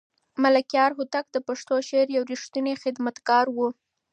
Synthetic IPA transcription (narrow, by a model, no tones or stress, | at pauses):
malakjɑɾɦut̪ak̚d̪əpaʂt̪oʃeɾjawɾiʂt̪unexɪd̪mat̪ɡɑɾwu